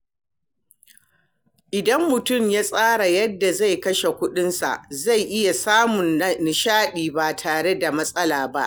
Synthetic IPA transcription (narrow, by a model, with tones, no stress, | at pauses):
ʔɪ˨dɐ˦mːʊ˨tʊ˦˨mjaː˦sʼaː˦ɽa˨jɐ˦dːa˨za˦˨jkɐ˦ʃe˨kʷʊ˦ɗɪ˦nsa̰˨ʔza˦˨jʔɪ˦ja˨saː˦mʊ˨nnɪ˨ʃaː˦ɗiː˨ba˨tʰaː˨ɽe˦da˨mɐ˦sʼɐ˦laː˨ba˦ʔ